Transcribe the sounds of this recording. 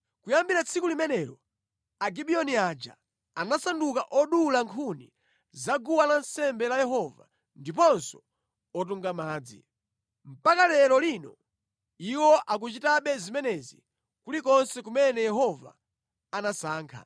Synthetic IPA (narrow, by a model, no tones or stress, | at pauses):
kujambiɾat͡sʰikulimɛnɛɾɔ | aɡiɓiɔniad͡ʒa̰ | anasandukaʔɔɗulaŋkʰuni | zaɡuwalansɛmbɛlajɛɦɔva̰ | ndip̬ɔnsɔ̥ | ɔt̬uŋɡamaːd͡zḭ | m̩pakalɛɾɔlinɔ | iwɔʔak̬ut͡ʃitaɓɛzimɛnɛzi | kulikɔnsɛkumɛnɛjɛɦɔva̰ː | nasaːŋkʰa̰